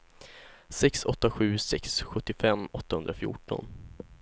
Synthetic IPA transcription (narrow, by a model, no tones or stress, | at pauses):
sɛksɔt̪ːaɧʉ̟ːsɛksɧɵt̪ːɪfɛmːɔt̪ːahɵnd̪ɾafjṵːʈɔ̰n